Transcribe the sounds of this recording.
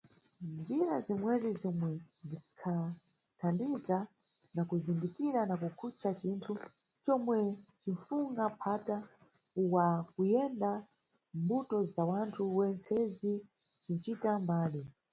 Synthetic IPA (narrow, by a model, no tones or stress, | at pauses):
nd͡ʒiɾazimwɛzizɔmwɛnzikʰa | tʰandiza | nakuzindikiɾanakukʰut͡ʃʰat͡ʃintʰu | t͡ʃɔmwɛt͡ʃiɱfuŋɡapʰata | uwakujɛnda | mbutɔzawantʰuwɛnt͡sʰɛzi | t͡ʃint͡ʃitambaːli